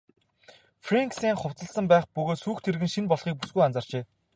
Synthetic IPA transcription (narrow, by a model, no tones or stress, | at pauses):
freŋksiːŋχʊw̥t͡sə̆ɬsə̆mpæːχpɵɣoːt̪suːxt̪ʰeɾɘɣɘ̆nʃinpɔɮχiːk̚pusɡujant͡săːr̥t͡ɕeː